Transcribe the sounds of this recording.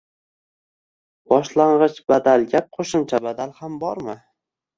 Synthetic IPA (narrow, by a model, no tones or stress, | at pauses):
b̥ɒʃlaɴʁɨt͡ʃbad̪alˠɡʲap̚qʰoʃɪmt͡ʃʰabad̪alˠhambɒɾmɪ